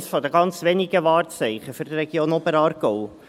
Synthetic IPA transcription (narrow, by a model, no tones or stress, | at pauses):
sfɔd̪əɡɑnt͡sʋɛniɡəʋɑːrt͡sɛɪχəfyɾd̪rɛɡjoːnobəɾɑːɾɡɔʊ